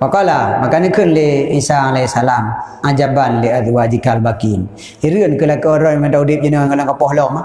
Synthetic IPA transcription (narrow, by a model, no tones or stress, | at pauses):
pakɔlamakanəkɨnleisaalɛsalamad͡ʒabanleat̪wad͡ʒikalbakin | iɾiənkəlakɔɾɔmataudip̚d͡ʒinakəlaŋkapɔhlɔma